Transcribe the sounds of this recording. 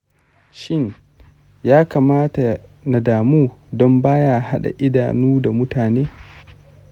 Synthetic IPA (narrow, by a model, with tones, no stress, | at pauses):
ʃɪ˦ɲ | jaː˦kaː˨maː˦ta˨na˨daː˨muː˦dɔ˦mbaː˦ja˦˨ha˦ɗa̰˨ʔɪ˦da̰ː˨nuː˦da˨mʊ˦taː˨neː˦